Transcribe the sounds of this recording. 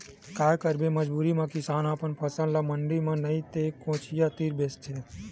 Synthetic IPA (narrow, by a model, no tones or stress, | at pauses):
kaːjkəɾbeməd͡ʒbuːɾimãkɪsaːnaːpənpʰəsənlaməɳɖimãnɐĩt̪ekõːt͡ʃʰijat̪iːɾbeːst͡ʃʰe